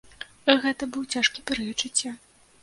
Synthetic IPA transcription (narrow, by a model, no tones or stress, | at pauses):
ɣɛt̪ɐbɨwt͡sʲaʂkʲipʲɛɾɨjɐt͡ʂɨt͡sʲːa